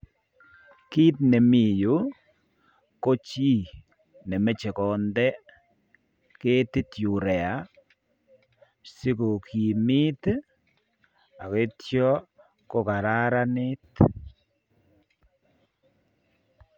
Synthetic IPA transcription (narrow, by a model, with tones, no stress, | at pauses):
ki˦t̪ne˨mi˦˨ju˨˦ | ko˦t͡ʃi˦˨ | ne˨me˦t͡ʃe˨kɔ˨nd̪ɛ˦ | ke˦t̪i˦tju˨ɾɛ˨a˨˦ | si˦ko˨kʰi˨mi˦t̪ | a˨ke˦tjɔ˦ | ko˦ka˨ɾa˦ɾa˦nɪ˦t̪